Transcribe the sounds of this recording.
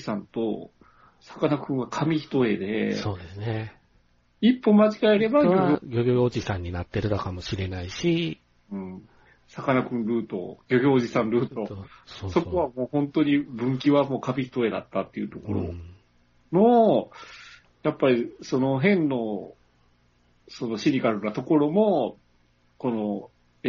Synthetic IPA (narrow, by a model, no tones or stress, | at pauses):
sãnt̪o̞ | sḁkanakɯ̟̃ɰ̃ɡakʰamʲiçi̥t̪o̞e̞d̪e̞̰soːd̪esɨne | ipːo̞mat͡ɕiɡaeɾe̞baɡoaɡoɡʲoɡʲoɡʲoːd͡ʑisãɲ̟ːinat̪ːe̞ɾɯ̟d̪akamo̞ɕiɾe̞naiɕi | ɯ̟̃ː | sakanakɯ̟̃nɾɯ̟ːt̪o̞̰ɡ̥ʲo̞ɡʲo̞ːʑisãnɾɯ̟ːt̪o̞so̞ko̞βamo̞ːhõ̞nt̪o̞ɲ̟ibɯ̟̃ŋk̬ʲiβamo̞ːkabʲit̪o̞ed̪a̰t̪ːat̪ːeiɯ̟t̪o̞ko̞ɾo̞̰ | no̞ | japːaɾʲiso̞no̞ɦẽ̞nːo̞ | so̞no̞ɕiɾʲiɡaɾɯ̟nat̪o̞ko̞ɾo̞mo̞ | ko̞no̞